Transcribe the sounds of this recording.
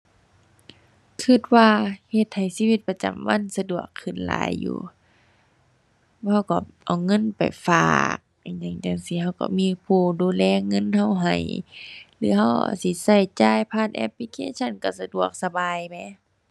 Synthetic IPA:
kʰɯ˧t̪̚waː˧he˧t̪̚ha˨˩jsiː˧˥˨wi˧t̪̚pa˧t͡ɕa̰˨˩mwa˧˥˨nsa˧du˨˩əkʰːɯ˧˩nla̰ː˨˦jːṵː˧ | ha˧˩wka̰˧˩ʔa˨˩wŋɤ˧˥˨npa̰˨˩jfa̰ː˧˩k̚a˧˩ɲa˧˩ŋt͡ɕa˧˩˨ŋsi˧˦ha˧˩wka̰˧˩miː˧˥˨pʰuː˧˩duː˧˨lɛː˧˥˨ŋɤ˧˥˨nha˧˩wɦa˨˩jlɯː˧˦ɦa˧˨wa̰˧˩si˧˦sa˧˩jt͡ɕaː˧˨jpʰaː˧˩˨t̪̚ʔɛ̰˧p̚li˧kʰḛː˧˥˨t͡ɕʰa˧˥˨nka˧˩sa˧du˨˩ək̚sa˧baː˨˧˨jmɛ˧˥˨

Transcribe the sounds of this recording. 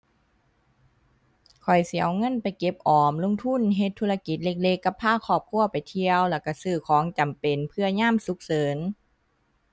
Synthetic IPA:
kʰɔ˨˩jsi˨˦ɐwŋɤ˧˥˨npa˨˩jke˧˦p̚ʔɔː˨˩mlo˧˥ŋt̪ʰu˧˥˨nɦe˧˦t̪ʰːu˧˨la˧ki˧˦t̪̚le˧˥k̚le˧˥kːa˧˩pʰːaː˧˥˨kʰɔː˧˩p̚kʰu˧˥˩ɐpa˨jt̪ʰi˧əwlɛ˧˩wka˧˩sɯː˧˩kʰɔː˨˦ŋt͡ɕa˨˩mpe˨˩npʰɯ˧ɐɲaː˥˨msu˧˦k̚sɤː˨˦n

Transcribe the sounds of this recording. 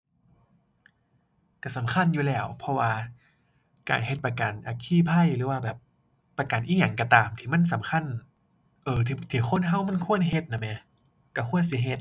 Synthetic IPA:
ka˧˩sa˨˦mkʰa˧˥˨njuː˧lɛː˧˩wpʰɔ˧waː˧ | ka̰ː˨˩nhe˧˦t̪̚pa˧ka˨˩nʔa˨˩kʰiː˧˥˩pʰa˧˥˨jɾɯː˨˦waː˧bɛː˨˩pː | a˧ka˨˩nʔiː˧˩ja˨˩˦ŋkt̪aː˨mt̪ʰiː˧˩ma˧˥˨nsa˨˦mkʰa˧˥˨n | ʔɤː˧˩t̪ʰt̪ʰiː˨˩kʰo˧˥˨nɦa˧˥˩wma˧˥˨nkʰu˧˥˨ənɦe˧t̪̚na˧˩mɛ˧˩ | ka˧˩kʰu˧˥˨ənsi˧˦ɦe˧˦t̪̚

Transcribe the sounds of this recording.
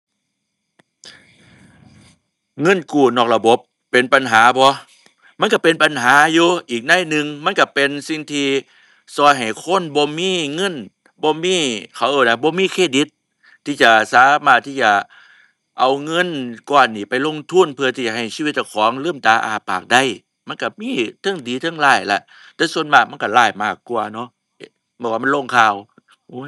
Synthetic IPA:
ŋɤ˧˥˨nkuː˧˩nɔː˧˩k̚la˧bo˧˦pːe˨npa˨nɦaː˨˦bɔ˧˦ | ma˧˥˨nka˧˩pe˧˨npa˧˨nɦaː˨˦juː˧ʔiː˨˩k̚na˧˥˨jnɯ˨˧ŋma˧˥˨nka˧˩pe˧nsi˧ŋt̪ʰiː˧ | sɔː˧jɦa˨˩jkʰo˧˥˨nbɔː˧˦miː˧˥˨ŋɤ˧˥˨n | bɔː˧miː˧˥˨kʰa˨˩wʔɤː˧˩na˧bɔː˧˦miː˧˥˨kʰeː˧˩di˧˦t̪̚ʰː | iː˧˩t͡ɕa˨˧˩saː˨˦maː˧˩t̪ʰːiː˧˩t͡ɕa˨˩ | ʔa˧wŋɤ˧˥˨nkɔː˧˩nːiː˧˩pa˨jlo˧˥˨ŋt̪ʰu˧˥˨npʰɯ˧ɐt̪ʰiː˧˩t͡ɕa˨˩hɦa˨˩jsiː˧˨˧t̪̚t͡ɕa˧˩kʰɔː˨˦ŋlɤː˧˥˨mt̪aː˧˦ʔa̰ː˧a˧pʰːaː˨˩k̚da˧˩˨j | ma˧˥˨nka˧˩miː˧˥˨t̪ʰɤ˧˥˩ŋdiː˨˦t̪ʰɤ˧˥˨ŋlaː˧˩jla˧˩ʔ | t̪ɛː˧su˧ənmaː˧˩k̚ma˧˥˨nka˧˩laː˧˩jmaː˧˩kːu˧ɐnɔ˧˥˦ | bɔː˧˩˨waː˧˨m˧˥˨lo˧˩˨ŋkʰaː˧˨w | ʔuː˧˦

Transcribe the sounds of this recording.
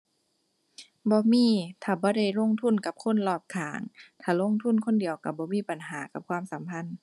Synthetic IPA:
bɔː˧˦miː˧˥˨t̪ʰaː˧˩bɔː˧˦da˧˩jlo˧˥˨ŋt̪ʰu˧˥˨nka˧˦p̚kʰo˧˥˨nlɔː˧˩p̚kʰaː˨˩˦ŋt̪ʰaː˧˩lo˧˥˨ŋt̪ʰu˧˥˨nkʰo˧˥˨ndi˨əwka˧˩bɔː˧˦miː˧˥˨pa˨nɦaː˨˦ka˨˧˦p̚kʰwaː˧˥˨msa˨˦mpʰa˧˥˨n

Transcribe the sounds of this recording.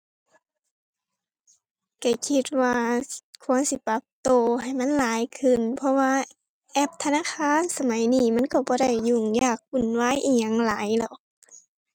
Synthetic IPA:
ka˧˩kʰi˧t̪̚waː˧kʰu˧˥ənsi˧˦pa˧˦p̚t̪oː˧˩ha˨˩jma˧˥˨nlaː˨˦jkʰɯ˧˩˨npʰɔ˧waː˧ | ʔɛ˧˥˩p̚t̪ʰa˧naː˧˥˨kʰaː˧˥˨nsa˧ma˨˦jniː˧˩ma˧˥˨nkɔ˧˩bɔː˧˦ɾa˧˩˨jːuː˧˩ŋjaː˧˩k̚ʔu˧˩˨nwaː˧˥˨jʔiː˧˩ɲa˧˥˨ŋlaː˨˦jlɛ˧˩˨

